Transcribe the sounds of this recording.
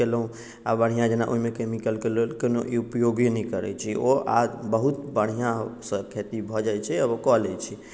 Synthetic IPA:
elɦũ | abəɽ̤ijãd͡ʒenaʔuimekemikəlkelolkenoʔiupjoɡinɛkəɾɛ̰t͡ʃʰioa̰d͡ʒbəɦut̪bəɽ̤̃ijãsə̃kʰet̪ibʱɔd͡ʒajt͡ʃʰɛəbokɔlɛt͡ʃʰi

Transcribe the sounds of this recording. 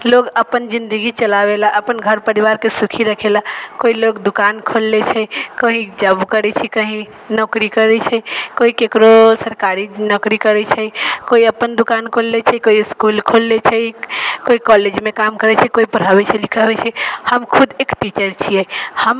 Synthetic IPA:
loɡəpənd͡ʒind̪əɡit͡ʃəlabelaʔəpənɡʱəɾpəɾibaɾkesukʰiɾəkʰelakoiloɡd̪ukankʰolːet͡ʃʰɛkəɦĩd͡ʒəbkəɾɛt͡ʃʰɛkəɦĩ | nɔkɾikəɾɛt͡ʃʰɛkoikekɾosəɾkaɾinɔkɾikəɾɛt͡ʃʰɛkoiəpːənd̪ukankʰolːet͡ʃʰɛkoiskulkʰolːet͡ʃʰɛkoikɔled͡ʒmekamkəɾɛt͡ʃʰɛkoipəɾ̤abɛt͡ʃʰɛlikʰəbɛt͡ʃʰɛhəmkʰud̪ekʈit͡ʃəɾt͡ʃʰiɛhəm

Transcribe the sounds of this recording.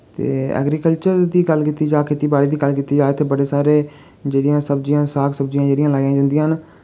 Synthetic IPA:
t̪ḛːɛ̰ːɡɾiːkəlt͡ʃəɾd̪iːɡəlkiːt̪iːd͡ʒaːkʰeːt̪iːbaːɽiːd̪iːɡəlkiːt̪iːd͡ʒaːeːt̪ʰeːbəɽeːsaːɾeː | d͡ʒeːɽɪjãːsəbd͡ʒijãːsaːksəbd͡ʒijãːd͡ʒeːɽɪjãːlaːjãːd͡ʒə̃ːnd̪ɪjãːn

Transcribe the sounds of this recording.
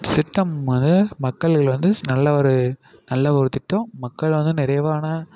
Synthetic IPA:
sɪʈːɐmʋɐnd̪ɯmɐkːɐɭɐɭʋɐnd̪ɯnɐlːɐɔɾɯ | nɐlːɐːkɔɾɯt̪ːɪʈːʊ̃mɐkːɐɭʋɐnd̪ɯnɪɾɐjʋaːnɐ

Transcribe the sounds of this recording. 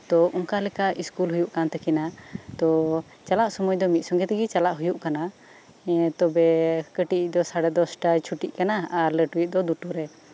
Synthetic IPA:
t̪ɔʔɔŋkalɛkaʔiskulɦujuʔkant̪ɛkɛnat̪ɔ | t͡ʃalaʔsɔmɔjd̪ɔmit̪̚sɔŋɡɛt̪ɛɡit͡ʃalaʔɦujuʔkana | t̪ɔbɛkəʈiic̚ˀd̪ɔsaɽɛd̪ɔsʈat͡ʃʰuʈiʔkanaaɾləʈuwuc̚d̪ɔd̪uʈuɾɛ

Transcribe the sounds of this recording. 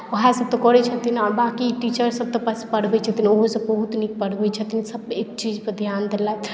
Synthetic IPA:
oɦasəb̚t̪ɔkɔɾɛt͡ʃʰət̪inaɾbakiʈit͡ʃəɾsəb̚t̪ɔpəspəɽ̤bɛt͡ʃʰət̪inoɦosəbəɦut̪nik̚pəɽ̤bɛt͡ʃʰət̪insəbekt͡ʃid͡ʒpəd̪ʱjand̪elat̪

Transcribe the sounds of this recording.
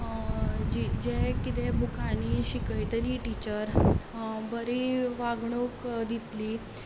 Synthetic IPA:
d͡ʑid͡ʑekit̪ɛbukaniɕikəjt̪əliʈit͡ɕəɾ | bəɾiʋaɡɳokd̪it̪li

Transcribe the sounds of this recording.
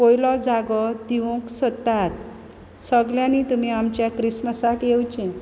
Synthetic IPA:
pojlɔd͡zaɡɔd̪iʋũksət̪ːat̪̚ | səɡljãniːt̪um̤iːamt͡ɕjakɾisməsakjewt͡ɕẽ

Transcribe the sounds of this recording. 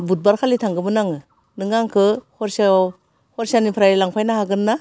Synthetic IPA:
but̚baɾkʰalitʰaŋɡɯmɯnaŋɯ | nɯŋaŋkʰɯhɔɾsa | hɔɾsanipʰɾajilaŋpʰajnahaɡɯnːa

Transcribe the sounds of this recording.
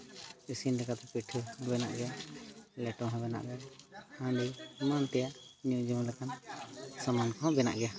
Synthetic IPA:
isinlɛkat̪ɛpiʈʰɯ̃bɛna̰ʔɡɛjalɛʈɔɦãbɛna̰ʔɡɛhãɖimant̪ɛjaʔɲũʔd͡ʒumlɛkansamankʰɔ̃bɛna̰ʔɡɛja

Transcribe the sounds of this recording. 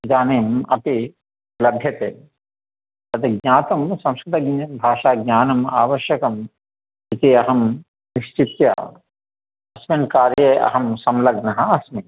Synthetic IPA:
d͡ʒaːneːmɐ̰p̪i | lɐbʱjɐt̪eː | ɐt̪iɡnʲaːt̪ɐmsɐ̃mskɾɪt̪ɐbʱaːʃaːɡɲʲaːnɐma̰ːʋɐʃjɐkɐm | it̪iɐɦɐm | niʃt͡ʃit̪jɐ̰ | ɐsmɐnkaːɾjɐɐ̰ɦɐmsɐmlɐɡnɐɦɐɐsmi

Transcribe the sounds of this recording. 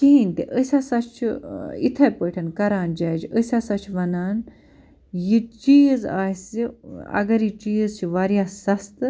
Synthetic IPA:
kiɦinʲt̪ḛʔəsʲasɐt͡ʃʰuḭt̪ʰɐjpəʈʰɐnkɐɾaːnd͡ʒaːd͡ʒəsʲasɐt͡ʃʰʋɐnaːn | jit͡ʃiːjza̰ːsiɐ̰ɡɐɾit͡ʃiːzt͡ʃʰiʋaɾjasɐst̪ɨ

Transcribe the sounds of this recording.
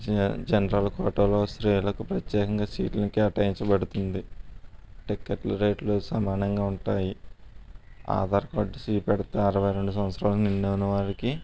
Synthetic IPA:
d͡ʒɐnɐɾɐlɐkɔːʈɐloːsɾeːlɐkupɾɐt̪jɛːkɐŋɡaːsiːʈlɐnikiɐʈaːjiɲt͡ʃɐbɐɽut̪und̪i | ʈikːɐʈlɐɾe̞ːʈlosɐmaːnɐŋɡaːuɳʈaːji | a̰ːd̪aːɾɐkoːɖːsiːpɛɽɐt̪eɐɾɐʋɐjɾe̞ɳɖus̬ɐmɐt̪sɾaːlɐkniɳːeːwunɐʋaːɾiki

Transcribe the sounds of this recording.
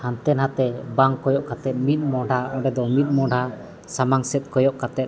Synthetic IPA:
hant̪ɛnhat̪ɛbaŋkɔjɔʔkat̪ɛt̪̚mit̪̚ˀmɔ̃ɖʱaɔ̃ɖɛd̪ɔmit̪̚ˀmɔ̃ɖʱa | samaŋsɛt̪̚ˀkɔjɔʔkat̪ɛt̪̚

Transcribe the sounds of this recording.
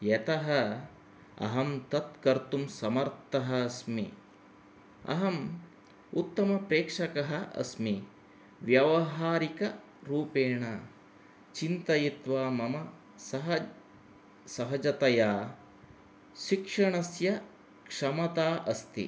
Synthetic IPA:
jet̪ɐɦɐ | ɐ̰ɦɐmt̪ɐt̪̚kɐɾt̪umsɐmɐɾt̪ɐɦɐːsmḭ | ɐ̰ɦɐm | ut̪ːɐmɐpɾeːkʂɐkɐɦɐʔɐ̰smi | ʋjɐʋɐɦaːɾikɐ | ɾuːpeːɳɐ | t͡ʃint̪ɐjit̪ʋaːmɐmɐ | sɐɦ | sɐɦɐd͡ʒɐt̪ɐjaː | ʃikʂɐɳɐsjɐ | kʂɐmɐt̪aːʔɐst̪ḭ

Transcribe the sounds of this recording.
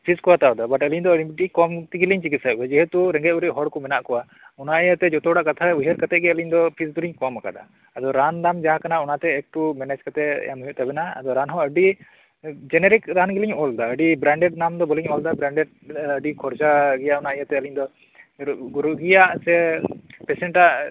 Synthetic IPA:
pʰiskɔwat̪aɔd̪abaʈəliɲd̪ɔɖikɔmt̪iɡiliɲt͡ʃikisajbɛd͡ʒɛɦɛt̪uɾɛ̃ŋɡɛuɾɛʔɦɔɽkɔmɛnaʔkɔwa | ɔnaɛjat̪ɛd͡ʒɔt̪ɔɽaʔkat̪ʰaujɦɛɾkat̪ɛʔ̚ɡɛəliɲd̪ɔpʰisɡuliɲkɔmaka̰d̪a̰ | ad̪ɔɾand̪amd͡ʒaɦãkanaɔnat̪ɛːk̚ʈumɛnɛd͡ʒkat̪ɛ̰ja̰mɦujuʔt̪abɛnaa̰d̪ɔɾanɦɔ̃əɖi | d͡ʒɛnɛɾikɾanɡiliɲɔld̪aəɖibɾaɳɖɛɖ̚namd̪ɔbɔliɲɔld̪abɾaɳɖɛɖ̚ | əɖikʰɔɾd͡ʒaɡɛjaʔɔnaʔɛjat̪ɛəliɲd̪ɔ | ɡuɾuɡijaʔsɛpɛsɛɳʈaʔ

